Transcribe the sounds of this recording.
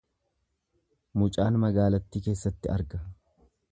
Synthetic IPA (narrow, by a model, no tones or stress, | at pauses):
mʊt͡ʃʼaːnmɐɡaːlɐt̪ːiːke̞ːsːɐt̪ːɪɐɾɡɐ